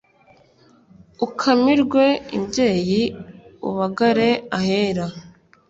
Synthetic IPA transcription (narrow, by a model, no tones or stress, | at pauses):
ukʰamiɾɡwe̞ḭbɟe̞ːjiṵβaɡaɾe̞aheːɾa